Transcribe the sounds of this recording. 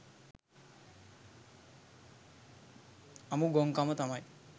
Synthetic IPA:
ɐmuɡoŋkamət̪amaj

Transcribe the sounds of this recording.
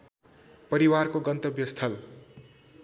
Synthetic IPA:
pʌɾiwarkoɡʌnt̪ʌbjʌst̪ʰʌl

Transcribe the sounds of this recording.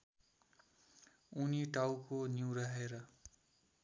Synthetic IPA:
uniʈawkoniwɾaɦeɾʌ

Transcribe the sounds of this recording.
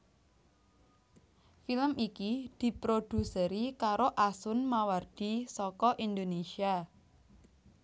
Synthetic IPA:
filəmikid̪̥i̤pɾod̪̥ṳsəɾikaɾoʔasʊnmaward̪̥isɔkɔʔind̪onesia

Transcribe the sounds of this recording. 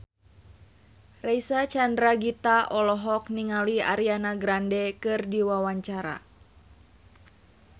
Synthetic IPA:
raisat͡ʃandɾaɡit̪aʔɔlɔɦɔk̚niŋalia̰ɾianaɡɾandɛkɨrdiwawaɲt͡ʃaɾa̰

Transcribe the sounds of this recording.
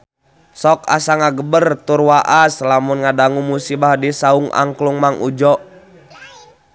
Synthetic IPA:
sɔka̰saŋaɡəbərt̪urwaʔaslamunŋadaŋumusibahdisauŋa̰ŋkluŋmaŋʔud͡ʒɔʔ

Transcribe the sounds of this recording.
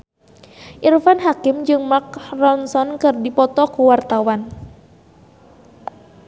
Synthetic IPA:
ʔirfanɦakɪmd͡ʒɨŋmak̚rɔnsɔnkɨrdipɔt̪ɔkuwart̪awan

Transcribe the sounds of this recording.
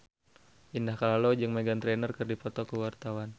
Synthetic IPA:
ʔindahkalalod͡ʒɨŋmɛɡant̪ɾɛnərkɨrdipɔt̪ɔkəwart̪awan

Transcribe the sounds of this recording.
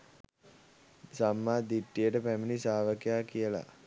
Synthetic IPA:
samːaːd̪iʈːijəʈəpæminisaːʋəkejaːkijəla̰

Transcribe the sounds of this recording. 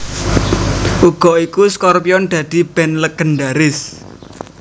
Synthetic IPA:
ʔuɡ̥ɔ̤ikuskɔrpiɔnd̪̥ä̤d̪̥i̤b̥ɛnləɡ̥ənɖaɾɪs

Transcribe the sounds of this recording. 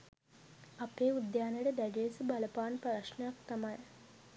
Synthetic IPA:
apeːud̪jaːnejəʈəd̪æɖiesubaləpaːnpaɾaʂɳəjak̚t̪amaj

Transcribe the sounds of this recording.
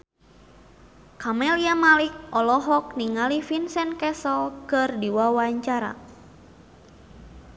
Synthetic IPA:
kamɛliamalik̚ʔɔlɔɦɔk̚niŋalifinsɛnkɛsɔlkɨrdiwawaɲt͡ʃaɾa̰

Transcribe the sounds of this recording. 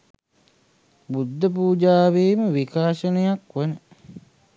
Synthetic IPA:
bud̪ːəp̬uːd͡ʒaːʋeːməʋikaːʃənəjakʋənə

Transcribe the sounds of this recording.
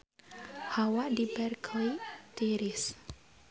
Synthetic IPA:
hawaʔdibɛrkʰlit̪iɾis

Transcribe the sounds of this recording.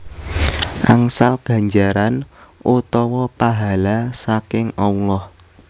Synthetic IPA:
ʔaŋsalɡ̥a̤ɲd͡ʒaɾanʔut̪ɔwɔpaɦalasakɪŋaulɔh

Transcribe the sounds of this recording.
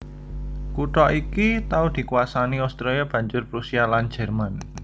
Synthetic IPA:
kuʈɔʔikit̪aud̪̥i̤kuasaniɔst̪ɾeliab̥ä̤ɲd͡ʒʊrpɾusialand͡ʒ̥ɛ̤rman

